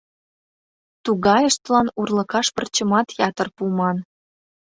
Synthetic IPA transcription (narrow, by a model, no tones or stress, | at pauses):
t̪uɣɑjəʃt̪̚lɑnurlə̆kɑʃpərt͡ɕəmɑt̪jɑt̪ə̆rpumɑn